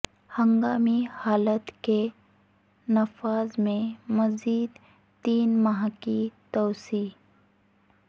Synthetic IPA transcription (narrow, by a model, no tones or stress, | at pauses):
hɐ̃ŋɡaːmihaːlət̪ke | nɐfaːzmẽmɐziːd̪ | t̪iːnmɐɦãkit̪ɔːsiː